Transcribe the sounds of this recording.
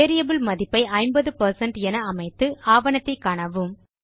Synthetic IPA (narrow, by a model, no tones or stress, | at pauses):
eːɾɪjɐbɪlmɐðɪpːɐɪʔɐɪmbɐðɯpɐɾsɐɳʈɛnɐːmɐɪt̪ːɯaːʋɐɳɐt̪ːɐɪkːaːɳɐʋɯm